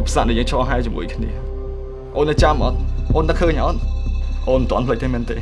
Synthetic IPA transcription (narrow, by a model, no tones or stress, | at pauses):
pʰːsaːʔɗəjəːŋt͡ɕʰɑːɦaɛt͡ɕumṵəjkʰnḭə | ʔoːnːɨt͡ɕamʔɑt̪̚ʔoːnt̪ɨkʰəːɲʔɑt̪̚ʔoːnmənt̪ŏənpʰləc̚t̪ʰeːment̪eː